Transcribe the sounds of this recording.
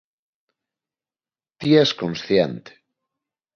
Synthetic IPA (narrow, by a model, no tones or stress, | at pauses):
t̪iɛskonsθjent̪e̥